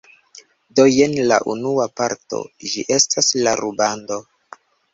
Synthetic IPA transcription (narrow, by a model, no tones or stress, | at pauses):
do̞jenla̰ʔunuapaɾto̞̰d͡ʒiʔe̞stʰaslaɾubando̞